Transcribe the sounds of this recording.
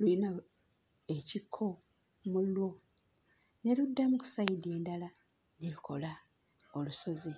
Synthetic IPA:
lulina | e̞cikʰːo̞ | mulːwo̞ | neludːamuku̥saide̞ːndala | nelukʰo̞la | oluso̞ze

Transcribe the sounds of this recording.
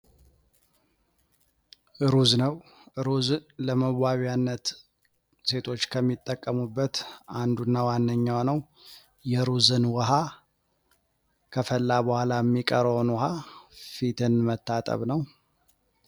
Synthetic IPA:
ʔɨɾuznəw | ʔɨɾuzləməβaβanːət̪ | se̞t̪ʰo̞t͡ʃːkʰəmːit̪ʼːəkʼːəmubːət̪ʔand̪unːawanːəɲːawnəw | jɛɾuzɨnwɔɦa | kʰəfəlːabəhʷalajɛmːikʼəɾəwnwɔɦafit̪ʰɨnmət̪ːat̪ʼə̰βnəw

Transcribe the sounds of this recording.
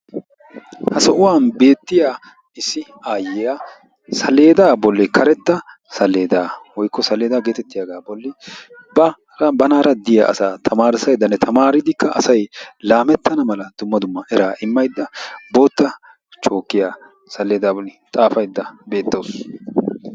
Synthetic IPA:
hɐsɔʔʊwaːnbe̞ːt̪ːɪjaː | ɪsːɪ | aːjɪjaː | sɐle̞ːd̪aːbɔlːɛkʰɐɾɛt̪ːɐ | sɐlːe̞ːd̪aːwɔjkːɔsɐlːe̞ːd̪aɡe̞ːt̪ɛt̪ːɪjaːɡaːbɔlːɛbɐ | bɐnaːɾɐd̪ɪja̰ːʔɐ̰saːt̪ʰɐmaːɾɪsɐjd̪ːɐnːɛt̪ʰɐmaːɾɪd̪ɪkːɐʔɐsɐjlaːmɛt̪ːɐnɐmɐlɐd̪̥ʊmːɐd̪ʊmːɐʔɛɾaːʔɪmːɐjd̪ːɐbo̞ːt̪ːɐ | t͡ʃʼo̞ːkːɪjaː | sɐlːe̞ːd̪aːbɔlːɪt̪ʼaːfɐjd̪ːɐbe̞ːt̪ːoːs

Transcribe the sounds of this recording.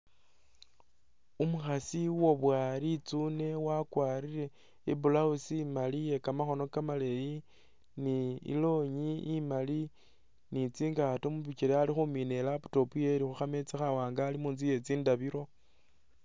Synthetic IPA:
umuxasiwo̞βwaːɾit͡sune̞wakwaːɾiɾe̞ | ḭbulausimalije̞kamaxo̞no̞kamaleji | niḭlo̞ɲiːmali | nit͡siːŋɡatomuβit͡ʃiɾealixumine̞laputo̞puje̞ɾixuxame̞t͡sexawaːŋɡaːlimuːnzije̞t͡siːndaβiɾo̞

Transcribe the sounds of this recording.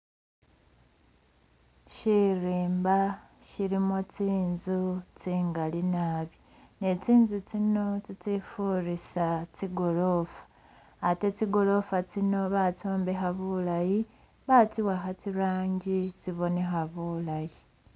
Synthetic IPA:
ʃiɾiːmba | ʃiɾimotiːnzut͡siːŋɡalinaːβi | ne̞tiːnzutino̞titifuɾisatiɡo̞lo̞fḁː | te̞tiɡo̞lo̞fatino̞βatoːmbe̞xaβulaji | βatiwaxatiɾaːɲɟitiβo̞ne̞xaβulaji

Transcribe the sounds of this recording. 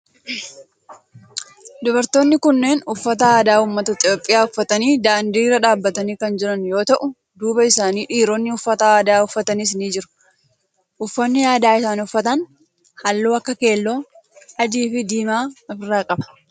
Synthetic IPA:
d̪ɔbɐɾt̪o̞ːnːɪkʊnːe̞ːnʊfːɐt̪ɐaːd̪aːuːmːɐt̪ɐt̪ʼɪjo̞ːpʼːɪjaːʊfːɐt̪ɐniːd̪aːnd̪iːrɐᶑaːbːɐt̪ɐniːkɐnd͡ʒɪɾɐnjo̞ːt̪ɐʔʊ | d̪uːbɐɪsaːniːᶑiːɾoːnːɪʊfːɐt̪ɐaːd̪aːʊfːɐt̪ɐniːs̬niːd͡ʒɪɾʊ̥ | ʔʊfːɐnːɪjaːd̪aːɪsaːnʊfːɐt̪ɐn | hɐlːuːɐkːɐke̞ːlːoː | ɐd͡ʒiːfɪd̪iːmaːɐfɪrːaːkʼɐbɐ̥

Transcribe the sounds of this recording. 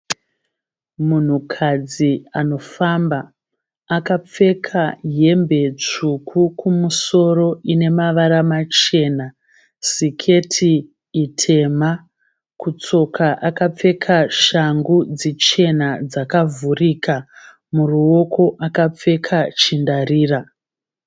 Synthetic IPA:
mun̤ukʰad͡ziano̞fambaː | kap͡fe̞kʰaje̞mbe̞t͡ʂukʰukʰumuso̞ɾo̞ʔine̞maʋaɾamat͡ʃe̞ːna | sikʰe̞tʰiː | tʰe̞ma | kut͡so̞kʰaʔakap͡fe̞kʰaʃaŋɡud͡zit͡ʃe̞nad͡zakavurika | muruo̞ko̞ʔakap͡fe̞kʰat͡ʃindariːra

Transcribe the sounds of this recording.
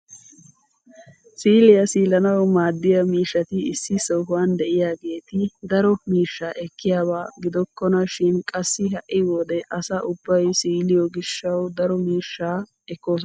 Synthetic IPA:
siːlɪjɐsiːlɐnɐwmaːd̪ːɪjɐmiːʃːɐt̪ɪɪsːɪsɔwɦʊwand̪ɛʔɪjaːɡe̞ːt̪ɪd̪ɐɾɔmiːʃːaʔɛkːɪjaːbaːɡɪd̪ɔkːɔnɐʃɪnkʼɐsːɪɦɐʔɪwɔd̪ɛʔɐsɐʔʊbːɐjsiːlɪjɔɡɪʃːɐwd̪ɐɾɔmiːʃːaː | ɛkːo̞ːs̬

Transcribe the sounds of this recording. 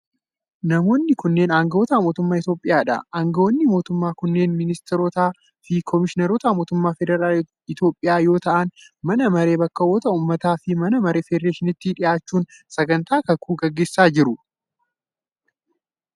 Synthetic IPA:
nɐmo̞ːnːɪkʊnːe̞ːnaːŋɡɐʔɔːt̪amo̞ːt̪ʊmːaːɪt̪jo̞ːpʼːɪjaːᶑɐ̰ʔaːŋɡɐɔnːɪmo̞ːt̪ʊmːaːkʊnːe̞ːnmɪnɪst̪ɪɾot̪aː | fɪkʰɔmɪʃɪnɐɾɔt̪amo̞ːt̪ʊmːaːfɛd̪ɛɾaːl | ɪt̪jo̞ːpʼːɪjaːjo̞ːt̪ɐʔɐnmɐnɐmɐɾe̞ːbɐkːɐwɔt̪ɐuːmːɐt̪aːfɪmɐnɐmɐɾe̞ːfɛd̪ɾeːʃɪnɪt̪ːiᶑɪjaːt͡ʃːuːnsɐɡɐnt̪aːkɐkuːɡɐɡːe̞ːsːaːd͡ʒɪɾʊ

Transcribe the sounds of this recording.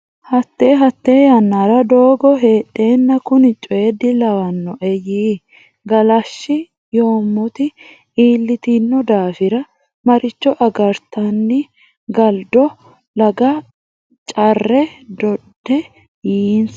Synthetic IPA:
hɐt̪ːe̞ːɦɐt̪ːe̞ːjɐnːaɾɐd̪o̞ːɡɔɦeːᶑːe̞ːnːɐkʊnɪt͡ʃʼɔjɛd̪ɪlɐwɐnːɔʔɛjiː | ɡɐlɐʃːɪ | jo̞ːmːɔt̪ɪ | iːlːɪt̪inːɔd̪aːfɪɾɐ | mɐɾɪt͡ʃːɔʔɐɡɐɾt̪ɐnːɪ | ɡɐld̪ɔ | lɐɡɐ | t͡ʃʼɐrːɛd̪ɔd̪ːɛ | jiːns

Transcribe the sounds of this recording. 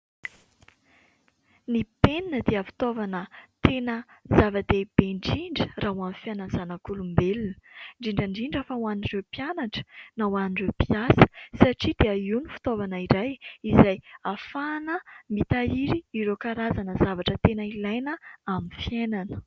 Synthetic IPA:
nipeninəd̪eəfi̥t̪ovanət̪enəzavad̪eb̥eɳɖ͡ʐiɳɖ͡ʐəraɦwamfianazanakulumbelunə̥ɳɖ͡ʐiɳɖ͡ʐaɳɖ͡ʐiɳɖ͡ʐafawanirewpijanaʈ͡ʂə̥nawanirewpiasə̥saʈ͡ʂid̪̥eəinifi̥t̪ovanəiɾajizajafanəmit̪aiɾiːɾokaɾazanəzavaʈ͡ʂət̪enəilajnəamifjenanə̥

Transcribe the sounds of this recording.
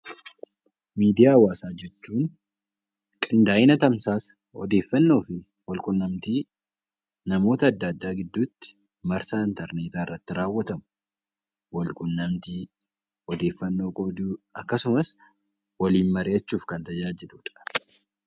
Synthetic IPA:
miːd̪ɪjaːwaːsaːd͡ʒɛt͡ʃːuːn | kʼɪnd̪aːjɪnɐt̪ɐmsaːs | ɔ̰d̪e̞ːfːɐnːo̞ːfɪ | wɐlkʼʊnːɐmt̪iː | nɐmo̞ːt̪ɐːd̪ːɐd̪ːaːɡɪd̪ːuːt̪ːɪ̥ | mɐɾsaːɪnt̪ɐɾneːt̪aːɪrːɐt̪ːɪɾaːwːɐt̪ɐmʊ | wɐlkʼʊnːɐmt̪iː | ɔd̪e̞ːfːɐnːo̞ːkʼod̪uːɐkːɐsʊmɐs | wɐliːnmɐɾeɐt͡ʃːuːfkɐnt̪ɐd͡ʒaːd͡ʒɪd̪ʊᶑ̪ɐ̥

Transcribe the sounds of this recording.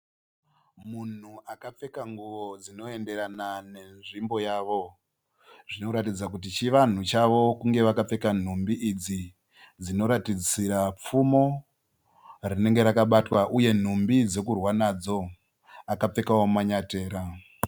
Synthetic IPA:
mun̤uakap͡fe̞kaŋɡuʋo̞d͡zino̞e̞nde̞ɾanane̞nʐimbo̞jaːʋo̞ | ʐino̞ɾatid͡zak̬ut̬it͡ʃiʋan̤ut͡ʃaʋo̞kuŋɡe̞ʋakap͡fe̞kan̤umbiid͡zi | d͡zino̞ɾatid͡ziɾap͡fumo̞ | rine̞ŋɡe̞ɾakaɓatwaʔuje̞n̤umbid͡ze̞kurwanad͡zo̞ | akap͡fe̞kawomaɲate̞ːɾa

